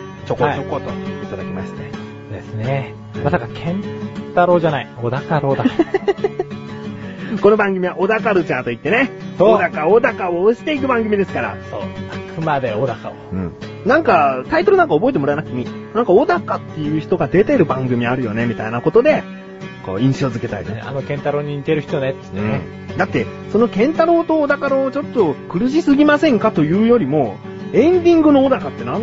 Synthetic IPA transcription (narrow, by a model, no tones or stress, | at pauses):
t͡ɕokot͡ɕokot̪oit̪ad̪akʲimaɕi̥t̪e | d̪esɨne | masakakʰẽ̞nt̪aɾo̞ːʑanaiod̪akaɾoːd̪aka | ko̞no̞bãŋɡɯ̟mʲiβaʔod̪akaɾɯt͡ɕãnt̪o̞it̪ːe̞ne̞sood̪akaod̪akaoːɕi̥t̪e̞ik̬ɯ̟bãŋɡɯ̟mʲid̪e̞sɨ̥kaɾa̰so̰ːakɯmad̪eod̪akaoɯ̟̃ɴ | nãŋkat̪ait̪oɾɯ̟nãŋkao̞bo̞et̪emo̞ɾaenakɲ̟inãŋkaod̪akat̪ːe̞jɯ̟ːçi̥t̪o̞ɡad̪e̞t̪e̞ɾɯ̟bãŋɡɯ̟mʲiaɾɯ̟jo̞̰ne̞mʲit̪ainako̞t̪o̞d̪e̞ | ko̰ːĩɰ̃ɕo̞ːzɨke̞t̪a̰id̪̰a̰no̞kẽnt̪aɾoːɲ̟iɲit̪e̞ɾɯ̟çi̥t̪onet̪ːeɯ̃e | d̪at̪ːe̞ | so̞no̞kẽ̞nt̪aɾo̞ːt̪o̞ːd̪akaɾoːt͡ɕo̞t̪ːo̞kɯ̟ɾɯ̟ɕ̬isɨɡʲimasẽ̞ŋkat̪o̞jɯ̟ːjo̞ɾʲimo̞ | ẽ̞nd̪ʲĩŋɡɯ̟no̞od̪akat̪ːe̞nãn